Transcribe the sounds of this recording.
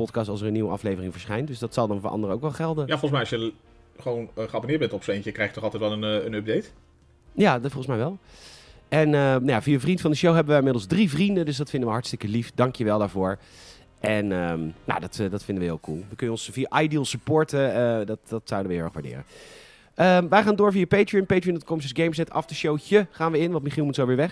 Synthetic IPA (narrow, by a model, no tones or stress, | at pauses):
ɔtkɑstɑlˠsəɹəniʋəʔɑ̰flejvərɪŋvəɹsχɛjntdɵsdɑtsɑlˠdɑnvʊːɹɑ̰ndəɾəo̰wkʋɛlˠχɛlˠdənjafɔlˠəs̬mɛjɑʃjə | χəʋonχəabonɪːdbɛntɔpsejnəkrɛjxχjətɔχɑlˠtɛjtʋɛlˠənənɵb̚dejt | jaːfɔlˠχ̩ˠəsmɛjʋɛlˠ | ɛnənajaviavrintfɑndəʃowɦɛbəʋəɪmɪdlˠzdrivrindəndɵsdɑtfɪndəʋəɦɑɹtstɪkəlifdɑŋkjəʋɛlˠdaːɹvʊːɹ | ʔɛnəna̰dɑtdɑtfɪndəʋəɦɪːlˠkʰulˠʋəkɵnjənɔnsviaʔajdilˠsəpʊːɹtəədɑtɑtsawdəʋəɦɪʊɛ̰χʋaɹdɪ̰ːrə̰n | əmʋɛjχaːndʊːɹvijapejtɹiənpejtɹiənɔtkɔms̬əsɡejms̬ɛtɑ̰fdəʃowcəχaːnʋəɪnʋɑntmiχilˠmutsowʋɪːɹʋɛχ